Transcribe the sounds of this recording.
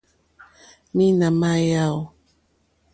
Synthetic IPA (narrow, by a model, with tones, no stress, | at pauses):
mi˦na˨ma˦ja˦w